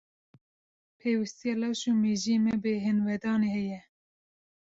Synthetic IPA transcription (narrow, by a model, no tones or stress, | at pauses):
pʰeːwɨst̪ijɑlɑːʃuːmeːʒiemɛbɨɦɨnwɛd̪ɑːneːhɛjɛ